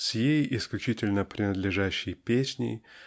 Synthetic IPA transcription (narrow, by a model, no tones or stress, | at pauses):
sʲjejɪsklʲʉt͡ɕitʲɪlʲnəpɾʲɪnəd̪lʲɪʐæɕːɪjpʲesʲnʲɪ̰